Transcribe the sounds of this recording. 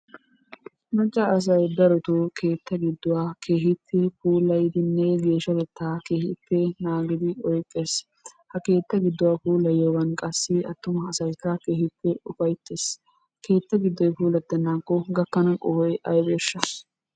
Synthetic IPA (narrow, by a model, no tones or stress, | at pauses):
mɐt͡ʃʼːɐːs̬ɐjd̪ɐɾɔt̪ʊkʰe̞ːt̪ːɐɡɪd̪ːʊwaːkʰe̞ːɦɪtʰːɛfuːlɐjd̪ɪnːɛɡe̞ːʃːɐkɛt̪ːaːke̞ːhɪpːɛnaːɡɪd̪ɪɔjkʼːe̞ːs | hɐke̞ːt̪ːɐɡɪd̪ːʊwaːfuːlɐjɔwɐnkʼɐsːɪɐt̪ːʊmɐɐsɐjkːɐkeːhɪpːɛʊfɐjt̪ːeːs | ke̞ːt̪ːɐɡɪd̪ːɔjfuːlɐd̪ːɐnːaːkːɔɡɐkːɐnɐkʼɔhɔjʔɐjbeːʃːɐ